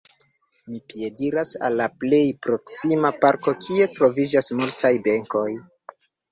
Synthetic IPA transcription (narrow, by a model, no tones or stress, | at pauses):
mipije̞diɾasa̰lːaple̞jpɾo̞ksimapaɾko̞kʰie̞tɾo̞vid͡ʒasmultajbe̞ŋko̞j